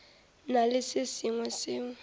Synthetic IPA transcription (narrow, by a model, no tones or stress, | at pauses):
nalɪsɪsiŋwɛsɪːŋ